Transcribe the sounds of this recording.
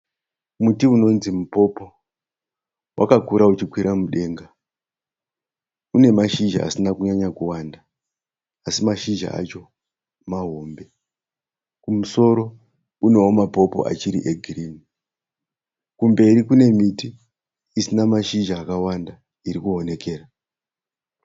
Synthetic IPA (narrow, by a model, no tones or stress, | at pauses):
mutiuno̞nzimupo̞po̞ | wʔa̰kakuɾaut͡ʃikwiɾamuɗe̞ːŋɡa | une̞maʃiʒa̰a̰sinakuɲaɲakuwandaː | simaʃiʒa̰a̰t͡ʃo̞ | maɦombe̞ | kumuso̞ɾo̞ | une̞womapo̞po̞̰ʔa̰t͡ʃiɾiʔeɡʱiriːni | kumbe̞iɾikune̞mitiː | sinamaʃiʒaːkawanda | iɾikuɦone̞ke̞ːra